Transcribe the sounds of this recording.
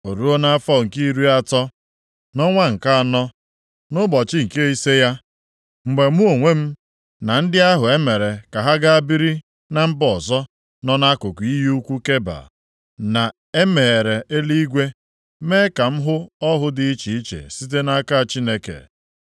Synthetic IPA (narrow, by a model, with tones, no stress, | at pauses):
o˨ɾu˦o˦na˦a˦fɔ˦˨ŋ̩˨ki˦ɾu˦a˦˨tɔ˦ | nɔ˦ŋʷa˦ŋ̩˨ka˦a˨nɔ˦ | nʊ˦bɔ˨t͡ʃɪ˦ŋ̩˨ke˦i˦se˦ja˦ | ŋ͡m̩˨ɡ͡be˨mu˦o˨ŋʷe˦m̩˦ | na˨n̩˦dɪ˦a˦ɦʊ˨e˦me˨ɾe˨ka˨ɦa˦ɡa˦a˦bi˦ɾi˦ | na˨m̩˦bɔ˨zɔ˦ | nɔ˦na˦kʊ˨kʷu˨i˦ɦi˦u˦kʷu˦ke˦ba̰˨ | na˨ | e˦me˨ɾe˨ʔe˦li˦i˦ɡʷe˦ | me˦ka˨m̩˦ɦʊ˦ɔ˦ɦʊ˦dɪ˨˦i˦t͡ʃi˨i˦t͡ʃḛ˨si˦t̬e˦na˦ka˦˨t͡ʃi˦ne˦kḛ˨